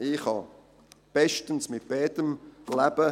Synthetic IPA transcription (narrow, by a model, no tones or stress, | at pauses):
ɪχhɑ̰ | b̥ɛʃtənsmɪt̚b̥ɛːdəmlæb̥ə